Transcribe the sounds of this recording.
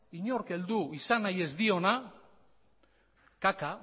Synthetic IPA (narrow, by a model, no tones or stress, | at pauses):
iɲo̞ɾke̞ld̪uisanaje̞zd̪io̞na | kaka